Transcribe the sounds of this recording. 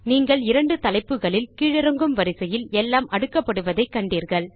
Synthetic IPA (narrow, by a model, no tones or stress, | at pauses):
niːŋɡɐɭɪɾɐɳɖɯt̪ɐlɐɪpːɯɣɐɭɪlkiːɻɪɾɐŋɡɯmʋɐɾɪsɐjɪlɛlːaːmʔɐɽɯkːɐpːɐɽɯʋɐðɐɪkːɐɳɖiːɾɣɐɭ